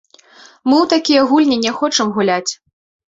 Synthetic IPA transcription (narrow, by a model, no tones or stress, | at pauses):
mɨwt̪akʲijɐɣulʲnʲinʲɛxɔt͡ʂɐmɣulʲat͡sʲ